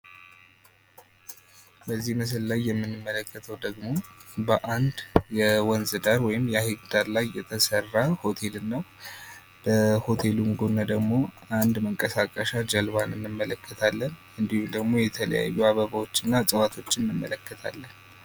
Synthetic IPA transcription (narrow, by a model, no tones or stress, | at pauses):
bəzːihməs̬əllajːɛmːɨnːɨmːələkːət̪ʰəwd̪əɡmo̞bəʔand̪jɛwɔnzɨd̪aɾwɔjɪmjɛahiɡd̪aɾlajːɛt̪ʰəsərːaho̞t̪ʰe̞lɨnːəw | b̥əho̞t̪ʰe̞luŋɡonːad̪əɡmo̞and̪məŋkʼəsakʼəʃad͡ʒəlβanɨnːɨmːələkːət̪ʰalːən | ɨnd̪ihud̪əɡmo̞jɛt̪ʰələ̰ja̰jːuaβəβawo̞t͡ʃːɪnːasʼəwat̪ʰo̞t͡ʃːɪnːɨmːələkːət̪ʰa̰lːən